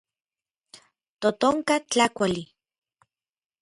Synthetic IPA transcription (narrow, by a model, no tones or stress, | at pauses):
t̪ot̪oŋkat͡ɬakʷali